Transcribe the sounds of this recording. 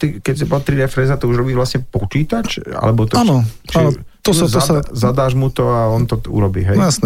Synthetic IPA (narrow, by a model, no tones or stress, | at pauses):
t̪ikɛcsibɔlt̪ɾid̪ɛfɾɛzat̪ɔuʒɾɔbiːʋlasɲɛpɔt͡ʃiːt̪at͡ʃa̰lɛbɔt̪anɔt͡ʃainɔ | ɔzɔsazad̪aːʒmut̪ɔaɔnt̪ɔṵɾɔbḭːɦɛjjasnɛ